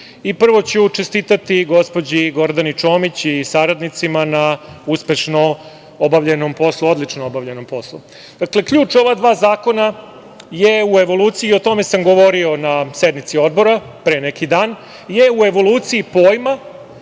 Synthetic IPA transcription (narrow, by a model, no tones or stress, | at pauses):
ipr̩ʋo̞t͡ɕut͡ʃest̪it̪at̪iɡo̞spod͡ʑiɡo̞ɾd̪anit͡ʃo̞ːmit͡ɕisaɾad̪nit̪simanauspe̞ʃno | obaʋʎenompo̞slˠuo̞d̪lit͡ʂnoobaʋʎeno̞mpo̞slˠṵ | d̪̥akle̞kʎuːt͡ʂo̞ʋad̪ʋaːzaːko̞na | jeue̞ʋo̞lˠuːt̪siio̞t̪o̞me̞samɡo̞ʋo̞ɾio̞nased̪nit̪sio̞d̪̚bo̞ɾa | pɾeːnekid̪aːn | jeue̞ʋo̞luːt̪siːpoːjma